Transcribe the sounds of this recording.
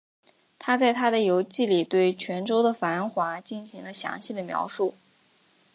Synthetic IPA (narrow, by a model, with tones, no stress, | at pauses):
t̪ʰa˥t͡sa˥˩ɪt̪ʰa˥d̪ə˨jo˧˥ʊt͡ɕi˥˩li˨˩t̪we˥˩ɪt͡ɕʰɥɛ˧˥nʈ͡ʂo˥ʊd̪ə˨fa˧˥nxwa˧˥t͡ɕi˥˩nɕi˧˥ŋlə˧ɕjɑ̰˧˥ŋɕi˥˩d̪ə˩mjɑ̰˧˥ʊʂu˥˩